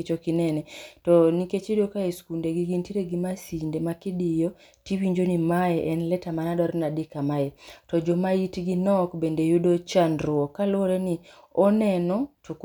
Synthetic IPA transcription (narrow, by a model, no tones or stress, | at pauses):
t͡ʃokinɛnɛtɔniket͡ʃidokaeskundeɡiɡintiɾeɡimasindemakidɪjɔ | tiwiɲd͡ʒonimaɛʔɛnlɛtamanadɔɾnadɪkamaɛtɔd͡ʒomaitɡinɔkbendejudot͡ʃanɾʊɔkalwoɾeni | ɔnɛnɔtʰuk